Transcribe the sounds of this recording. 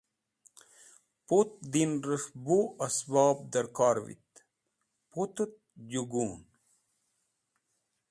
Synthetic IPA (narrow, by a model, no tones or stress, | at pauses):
put̪̚d̪inɾəʂbuɐsbɑːb̚d̪əɾkaɾvḭt̪ | put̪ət̪̚d͡ʑuɡun